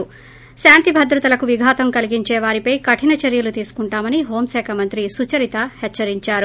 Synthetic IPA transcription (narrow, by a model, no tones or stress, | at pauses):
ʃaːnt̪ibʱɐd̪ɾɐt̪ɐlɐkuʋiɡʱaːt̪ɐmkɐliɡiɲt͡ʃɛːʋaːɾipɐjkɐʈʰinɐt͡ʃɐɾjɐlut̪iːsu̥kuɳʈaːmɐniɦo̞ːmsɛːkʰamɐnt̪ɾisut͡ʃɐɾit̪ɐhɛt͡ʃːɐɾiɲt͡ʃaːɾu